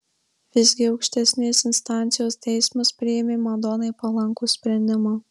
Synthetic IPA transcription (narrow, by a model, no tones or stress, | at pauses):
ʋʲɪzʲɡʲɪɒʊkʃʲt̪ʲɛsʲnʲeːsɪnst̪ɑːˑnʲt̪sʲɪjoːst̪ʲɛɪsmɐspʲɾʲɪjɛmʲeːmɐd̪ɔːnɐɪpɐlˠɐŋkuːsʲpʲɾʲɛnʲd̪ʲɪmoː